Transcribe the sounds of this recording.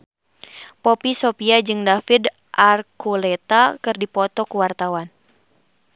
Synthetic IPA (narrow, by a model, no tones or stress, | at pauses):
pɔpisopiad͡ʒɨŋdafid | ʔarkulɛt̪akɨrdipɔt̪ɔkuwart̪awan